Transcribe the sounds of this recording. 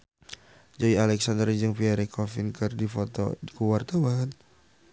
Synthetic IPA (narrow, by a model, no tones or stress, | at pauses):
d͡ʒaialɛksand̪ərd͡ʒɨŋfiɛɾɛkʰɔfinkɨrdifɔt̪ɔ̰dikuwart̪ɔwaŋət̪̚